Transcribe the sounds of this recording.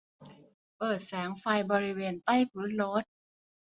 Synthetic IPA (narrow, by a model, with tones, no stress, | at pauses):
pɤː˨˩t̪̚sɛː˩˦ŋfa˧jbɔː˧ɾi˦˥weː˧nt̪a˥˩jpʰɯː˦˥nɾo˦˥t̪̚